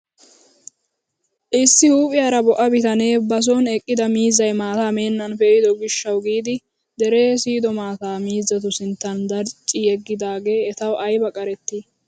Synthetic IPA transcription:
ʔɪsːɪhuːpʼɪjaːɾɐbɔʔɐbɪt̪ɐne̞ːbɐs̬oːnɛkʼːɪd̪ɐmiːzːɐjmaːt̪aːme̞ːnːɐnfɛʔɪd̪ɔɡɪʃːɐwɡiːd̪ɪ | d̪ɛɾe̞ːsiːd̪ɔmaːt̪aːmiːzːɐt̪ʊsɪnt̪ːɐnd̪ɐɾt͡ʃʼːɪjɛɡːɪd̪aːɡe̞ːɛt̪ɐwʔɐjbɐkʼɐɾɛt̪ːi

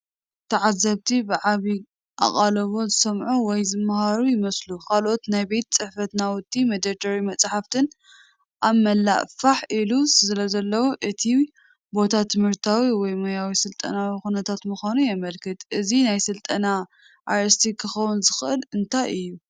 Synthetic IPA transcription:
t̪ʰɐʕazːɐβt̪ʰibɨʕaβi | ʔa̰χʼalɐβo̞zɨsɐmʕuwɔjzɨmːahaɾujɪmɐslukʰalʔo̞t̪najbe̞t̪̚t͡sʼɨħfɐt̪nawʊd̪ʼːimɐd̪ɐɾd̪ɐɾimɐt͡sʼħaft̪ʰɨn | ʔamɐlːa̰ʔfaħʔilusɨlɐzɐlːɐwoʔɨt̪ʰi | bo̞t̪ʰat̪ʰːɨmhɨɾt̪ʰawiwɔjmɐjawisɨlt̪ʼɐ̰nawixunɐt̪ʰat̪mɨxʷanujɛmɐlkʰɨt̪ʼʔɨzinajsɨlt̪ʼɐna | ʔajst̪ʰikʰɨxɐwunzɨxɨʔɨlɨnt̪ʰajɨjːu

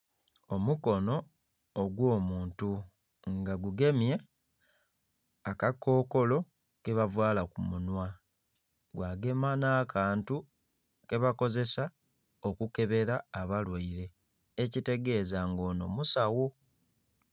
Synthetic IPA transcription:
o̞muko̞no̞ː | ɡwo̞ːmuːntu | ŋɡaɡuɡe̞mje̞ | akakːo̞ːko̞lo̞ | keβavwaːlakumunwa | ɡwaːɡe̞manaːkaːntu | ke̞βako̞ze̞sa | o̞kuke̞βe̞ɾaːβalwaiɾe̞ː | cite̞ɡe̞zaŋɡo̞ːno̞musawo

